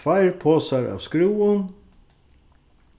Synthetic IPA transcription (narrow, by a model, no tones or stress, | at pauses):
fajɹpʰoːsaɾʔa̰ːvskɾuːʊn